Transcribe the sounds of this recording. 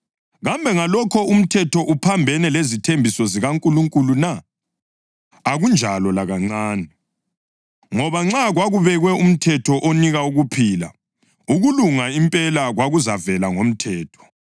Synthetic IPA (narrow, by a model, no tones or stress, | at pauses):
ɣambʱɛŋalɔkʰɔum̩tʰɛtʰɔʔupʰambʱɛnɛlezitʰembʱisɔziɣaŋkʼuluŋkʼuluna | ɣund͡ʒʱalɔlaɣaŋ͡ǀaːnɛ | ŋɔβaŋ͡ǁaɣwaɣuβɛɣwɛum̩tʰɛtʰɔʔoniɣauɣupʰiːla̰ | uɣuluŋaimpʼɛlaɣwaɣuzavɛlaŋom̩tʰɛːtʰɔ̥